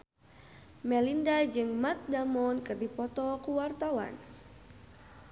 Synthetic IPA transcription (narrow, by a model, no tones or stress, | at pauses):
mɛlindad͡ʒɨŋmat̪̚damɔnkɨrdipɔt̪ɔkuwart̪awa̰n